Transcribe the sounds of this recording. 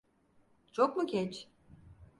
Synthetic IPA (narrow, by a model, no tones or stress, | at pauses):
t͡ʃʰok̚muɟʲɛt͡ʃ